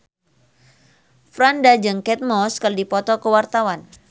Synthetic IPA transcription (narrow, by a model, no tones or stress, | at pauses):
fɾandad͡ʒɨŋkɛt̪̚mɔskərdipɔt̪ɔkəwart̪awan